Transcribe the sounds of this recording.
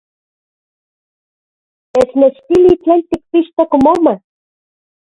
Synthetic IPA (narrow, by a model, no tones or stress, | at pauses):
esnet͡ʃt̪ilit͡ɬenʲt̪ik̚piʃt̪okmoma